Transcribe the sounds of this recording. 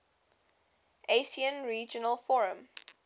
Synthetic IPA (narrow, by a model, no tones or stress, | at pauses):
ʔesiə̃nɹiːd͡ʒənəlˠfɔɹə̃m